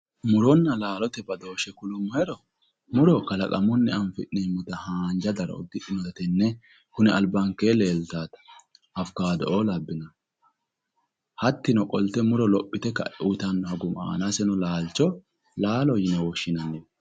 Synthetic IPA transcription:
mʊɾɔnːɐlaːlɔt̪ɛbɐd̪o̞ːʃɛkʊlʊmːɐɛɾɔ | mʊɾɔkɐlɐkʼɐmɔnːɛɐnfɪ̰ʔneːmːʊt̪ɐhaːnd͡ʒɐd̪ɐɾɐ̰ɔ̰d̪ɪʔnɔɛt̪ɛnːɛ | hʊnɛɐlbɐŋkeːleːlt̪aːt̪ɐ̥ | ɐfkaːd̪ɔʔoːlɐbːɪnɐ | hɐt̪ːɪnɔkʼɔlt̪ɛmʊɾɔlɔpʼːɪt̪ɛkːɐ̰ʔut̪ɐnːɔhɐɡʊma̰ːnasɛnɔlaːlt͡ʃːɔ | laːlɔjɪnɛwɔʃːɪnɐnːe

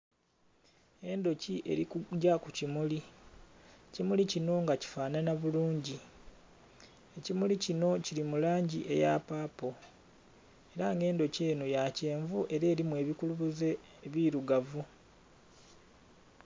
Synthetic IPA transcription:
e̞ndo̞ciʔe̞̰ɾikuɟakucimuli | cimulicino̞ŋɡaci̥faːnanaβuluːɲɟi | e̞cimulicino̞ciɾimulaːɲɟiʔe̞̰ja̰paːpo̞ | e̞ɾaŋɡe̞ːndo̞ce̞ːnojace̞ːɱvuʔe̞ɾe̞ːɾimwe̞ːβikuluβuze̞ | βiɾuɡavu

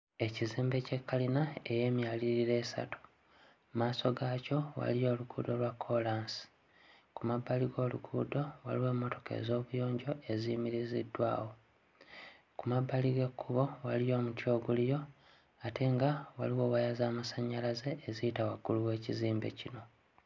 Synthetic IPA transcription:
e̞ciziːmbe̞ce̞kːalinae̞je̞ːmjaliɾiɾe̞ːsa̰tu̥ | maːso̞ɡaːco̞wa̰lijo̞ːluɡṵːdo̞lwakʰːo̞laːnsi̥ | kumabːaliɡo̞ːlṵɡṵːdo̞wa̰liwe̞ːmːo̞to̞ke̞̰zo̞ːβujo̞ːɲɟo̞e̞zimiɾizidːwa̰ːwo̞ | kumabːaliɡe̞kʰːuβo̞walijo̞ːmutjo̞ːɡulijo̞ | atʰe̞ŋɡawaliwo̞ːɣajazaːmasaɲːalaze̞ːziitawaɡuluwe̞ːciziːmbe̞̰cino̞

